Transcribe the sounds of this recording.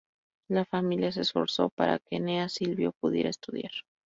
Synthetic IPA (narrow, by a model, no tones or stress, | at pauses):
lafamiljas̬e̞sfo̞̰ɾso̞̰pa̰ɾa̰ke̞neasilβjo̞puðjeɾaest̪uðjaɾ